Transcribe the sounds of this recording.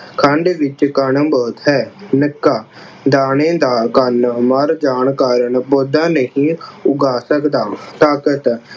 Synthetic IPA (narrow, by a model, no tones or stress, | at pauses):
kʰãɳɖeːʋɪt͡ʃkəɳəboːt̪ɦɛːnɪkːaː | d̪aːnẽːd̪aːkənməɾd͡ʒaːɳkaːɾəɳboːd̪ãːnəɦĩːʊɡaːsəkd̪aːt̪aːkət̪